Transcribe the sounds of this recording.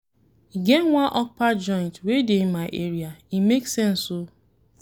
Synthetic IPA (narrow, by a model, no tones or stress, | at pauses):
ɡenwãnʔɔk̚pad͡ʒɔɪ̃ntwedemaɪʔeɾiaimeksɛ̃nso